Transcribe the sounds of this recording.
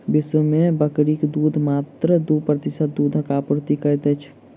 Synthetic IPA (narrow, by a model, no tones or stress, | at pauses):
bisumebəkɾikd̪ud̪ʱmat̪ɾəd̪upɾət̪isət̪̚d̪ud̪ʱəkapɾt̪ikəɾt̪ɛt͡ʃʰ